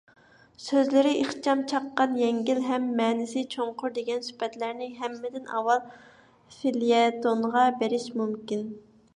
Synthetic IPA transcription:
søzlɪɾɪʔeχt͡ʃʰɑmt͡ʃʰɑqːɑnjɛŋɡʲilɦɛmːɛːnɪsɪt͡ʃʰoɴqʰʊɾd̪eɡʲɛnsy̥pɛt̪læɾnɪɦɛmːɪd̪ɪnɑ̰wɑlˠ | filijɛt̪onʁɑbeɾɪʃmumkʲin

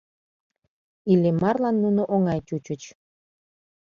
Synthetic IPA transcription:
ilemɑrlɑnːunoʔoŋɑjt͡ɕut͡ɕət͡ɕ

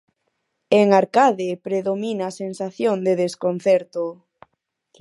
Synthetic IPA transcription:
eŋaɾkaðepɾeðominaːsensaθjoŋd̪eðeskon̟θɛɾt̪o

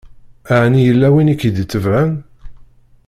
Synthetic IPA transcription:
aʕnijəlːæwinikːid̪ət͡sːəvæm

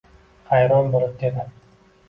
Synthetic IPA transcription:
χajɾɒnbolˠɪp̚d̪ed̪ɪ

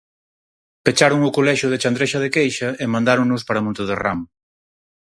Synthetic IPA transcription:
pet͡ʃaɾʊŋʊkolɛʃʊðet͡ʃand̪ɾeʃɐðekejʃɐemãnd̪aɾʊŋnʊspaɾɐmõnt̪ʊðera̰m

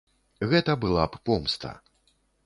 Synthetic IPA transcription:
ɣɛt̪ɐbɨlˠappɔmst̪ɐ̰

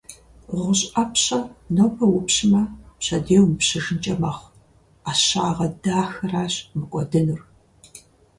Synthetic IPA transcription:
ʁʷʊɕʼɐpɕɐnɐwpʰɐwʊpɕɪmɐpɕɐdeːwmpɕɨʒɨnt͡ʃʼɐmɐχʷ | aːɕaːʁɐdaːxɐraːɕmɨkʷʼɔdɨnɨr

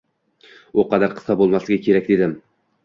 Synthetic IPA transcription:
uqʰɑd̪aɾqʰɨ̥sɒbolˠmaslɪɡʲakʲʰe̞ɾak̚ʲd̪e̞d̪ɪm

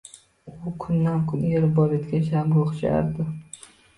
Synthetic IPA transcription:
ʊkʰʊnːankʰʊnjeɾɪbɒet̪kʲanʃ̬aɾɡoχt͡ʃʰa̰ɾd̪ɪ

